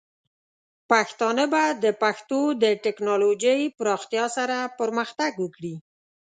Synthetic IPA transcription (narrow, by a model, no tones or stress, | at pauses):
paxt̪ɑnəbad̪əpaxt̪od̪əʈɪknɑlod͡ʒəjpɾɑxt̪jɑsaɾapəɾməxt̪aɡwəkɽi